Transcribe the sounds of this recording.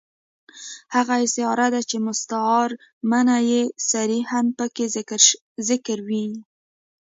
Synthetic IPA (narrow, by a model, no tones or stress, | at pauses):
haɣaɪsɪɑɾad̪at͡ʃemʊst̪aɑɾ | manajesaɾihanpəkeɾ | zɪkɾwi